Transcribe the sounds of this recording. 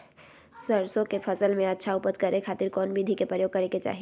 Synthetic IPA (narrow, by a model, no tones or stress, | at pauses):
səɾsõkepʰəsəlmẽɐtːʃʰaʊpət̪kɐɾekʰaːt̪ɪɾkɔːnbʱid̪ʱikepɾəɾjoːɡ̚kɐɾeket͡ʃa̰ːɦi